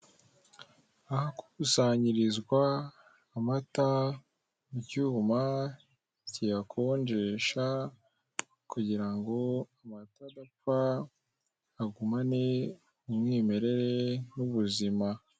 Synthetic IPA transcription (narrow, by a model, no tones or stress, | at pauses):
ahakusaɲiɾizɡwaː | mata | mucuma | cijakʰo̞ɲɟeʃa | kuɟiɾaŋɡo̞amatadap͡fa | ɡumane | umŋiːme̞ɾe̞ɾenuβuzima